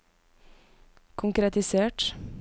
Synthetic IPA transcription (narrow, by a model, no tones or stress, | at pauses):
kʰʊŋkɾɛt̪ɪseːʈ